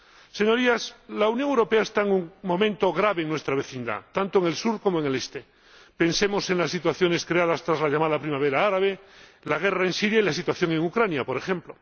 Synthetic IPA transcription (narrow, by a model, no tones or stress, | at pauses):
seɲo̞ɾiaslaunjõŋewɾopeaest̪aeŋuŋmõ̞mẽnt̪oɣɾaβeːŋnwest̪ɾaβ̞e̞θind̪a̰t̪ant̪oeŋe̞lsuɾkomoeŋelest̪e | pe̞nsemo̞seŋlasːit̪waθjo̞ne̞skɾeaðast̪ɾazlaʎamaðapɾimaβ̞eɾaaɾaβ̞elaɣ̞eraensiɾjailas̬it̪waθjo̞ŋẽŋukɾanjapoɾexemplo